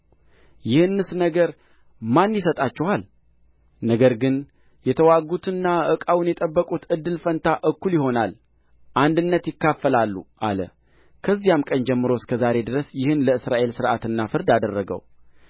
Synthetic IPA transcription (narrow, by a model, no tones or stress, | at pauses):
jɪhɨnːɨsnəɡəɾ | manːjɪsət̪ʼat͡ʃːɛhal | nəɡəɾɡɨn | jɛt̪ʰəwaɡut̪ʰɨnːaʔɨkʼawunjɛt̪ʼəbːəkʼut̪ɨd̪ːɨlfənt̪ʰaʔɨkːuljɪho̞nal | ʔand̪ɨnːət̪jɪkːafːəlalːṵʔa̰lə̰ | kʰəzːijamkʼənd͡ʒɛmːɨɾo̞skʰəzaɾe̞d̪ɨɾəsjɪhɨnləɨsɾaʔe̞lsɨɾʔat̪ɨnːafɨɾd̪ad̪ərːəɡə̰w